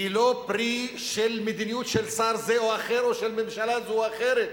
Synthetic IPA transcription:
ilo̞pʁi | ʃelmed̪inijut̪ʃelsaɾzeoaχeɾo̞ʃelmemʃalazoaχeɾet̪

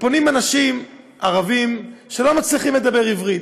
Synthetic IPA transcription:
po̞nimanaʃim | aʁavimʃe̞lo̞mat͡sliχimled̪abe̞ʁivʁit̪

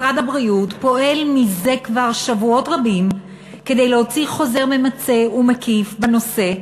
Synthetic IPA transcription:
ʁadabʁiutpo̞ʔe̞lmize̞kvaʁʃavuo̞tʁabim | ke̞d̪e̞jleho̞t͡siχo̞ze̞ʁmemat͡se̞umekifbano̞se̞

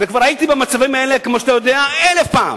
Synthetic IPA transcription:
vekvaʁait̪ibemat͡savimaelekmoʃat̪ajo̞d̪eaelefpa̰ːm

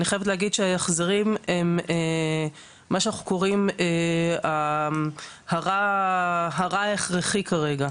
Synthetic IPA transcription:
aniχajevt̪̬leaɡid̪ʃeajaχzeʁimemeː | aʃeanaχuko̞ʁimea | haʁa | ɦaʁaeχʁeχikaʁe̞ɡa

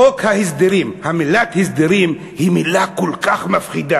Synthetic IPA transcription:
okhahisd̪eʁimhamilat̪hisd̪eʁim | himilakolkaχmafχid̪a

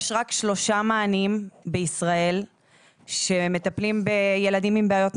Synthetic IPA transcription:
ʃʁakʃlo̞ʃamaːnimbeisʁae̞l | ʃe̞me̞t̪aplimbeje̞ladimimbeajo̞t

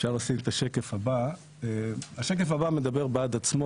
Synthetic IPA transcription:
efʃaʁlasimet̪aʃekefaba | eaʃek̬efabame̞d̪abe̞ʁbead̪at͡smo

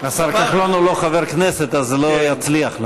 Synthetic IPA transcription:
asalkaχlonuloχaveʁkneset̪azlojat͡sliaχl

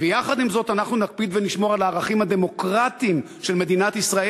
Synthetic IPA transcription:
vejaχad̪imzo̞t̪anaχnunak̚pid̪veniʃmo̞ʁalaːʁaχimhad̪e̞mo̞kʁat̪im | ʃelme̞d̪inat̪isʁae

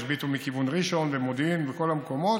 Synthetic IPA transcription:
ʃbit̪umikivunʁiʃo̞nvemod̪imveko̞lamko̞mo̞

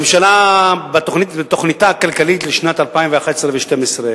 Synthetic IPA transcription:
emʃalabat̪oχnitbet̪o̞χnitakalkalit̪leʃnat̪alpaimveaχat̪e̥sʁeveʃtemesʁe

